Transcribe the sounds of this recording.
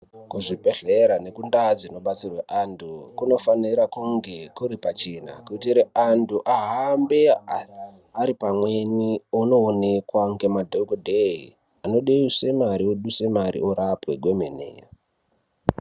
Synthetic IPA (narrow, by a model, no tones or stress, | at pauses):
kuʐipeɮeɾane̞kundad͡zino̞ɓat͡sirweʔantʰukuno̞faniɾakuŋɡe̞kuɾipat͡ʃina̰kuitiɾeantʰuʔaɦambe̞ | aɾipamwe̞niono̞ːne̞kwaŋɡe̞madʱokodʱei | ano̞ɗeise̞maɾioɗuse̞maɾḭoɾapwe̞ɡʱwe̞menḛːja